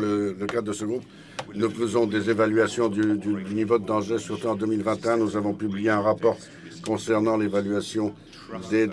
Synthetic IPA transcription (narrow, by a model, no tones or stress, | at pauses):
lələkad̪əsəɡʁup | nufəzɔ̃d̪ezevalɥasjɔ̃d̪yd̪yd̪ynivod̪əd̪ɑ̃ʒesyʁt̪uɑ̃d̪əmilvɛ̃t̪eɛ̃nuzavɔ̃pyblijeɛ̃ʁapɔʁ | kɔ̃sɛʁnɑ̃levalɥasjɔ̃ | d̪e